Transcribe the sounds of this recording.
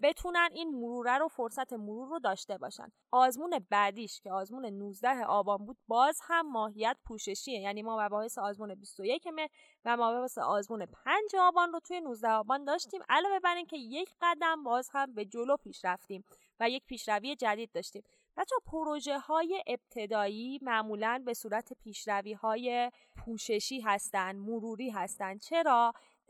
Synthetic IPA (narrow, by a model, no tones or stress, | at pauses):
be̞t̪ʰuːnæniːnmoɾuːɾæɾo̞foɾsæt̪ʰe̞moɾuːɾːod̪ɒːʃt̪e̞bɒ̰ːʃæ̰nd̪ʔɒːzmuːne̞bæd̪iːʃcʰe̞ɒːzmuːne̞nuːzd̪æɦeʔɒːbɒːnbuːd̪̥̚bɒːzhæmːɒːhijæt̪pʰuːʃe̞ʃiːejæniːmɒːmæbɒːhe̞seɒːzmuːne̞bist̪oje̞cʰeme̞h | væmɒːbsḛʔɒːzmuːne̞pʰænd͡ʒe̞ɒːbɒːnrot̪ʰuːje̞nuzd̪æhɒːbɒːnd̪ɒːʃt̪iːmʔælɒːbe̞bæɾiːncʰe̞je̞cʰɢæd̪æmbɒːzhæmbe̞d͡ʒolopʰiːʃɾæft̪iːm | væje̞cpiːʃɾævije̞d͡ʒæd̪iːd̪̚ːɒːʃt̪iːm | bæt͡ʃʰɒpʰoɾoʒe̞hɒːje̞ʔeb̥̚t̪ʰe̞d̪ɒːiːmæʔmuːlænbe̞suːɾæt̪ʰe̞pʰiːʃɾæviːhɒːje̞ | pʰuːʃe̞ʃiːɦæst̪ænd̪moɾuːɾiːɦæst̪ænd̪̚t͡ʃʰe̞ɾɒː